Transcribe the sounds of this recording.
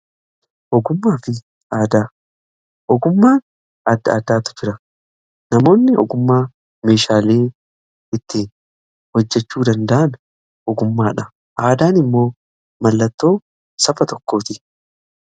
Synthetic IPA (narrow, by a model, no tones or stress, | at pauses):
ʔɔɡʊmːaːfɪ | ʔaːd̪aː | ʔɔɡʊmːaːn | ɐd̪ːɐaːd̪aːt̪ʊ̥fɪɾɐ | nɐmo̞ːnːɪʔɔ̰ɡʊmːaː | me̞ːʃaːleː | ɪt̪ːɪ | hɔd͡ʒːɛt͡ʃːuːd̪ɐnd̪ɐʔɐn | ʔɔɡʊmːaːᶑɐ | ʔaːd̪aːnɪmːo̞ː | mɐlːɐt̪ːo̞ː | sɐfɐt̪ɔkːo̞ːt̪ɪ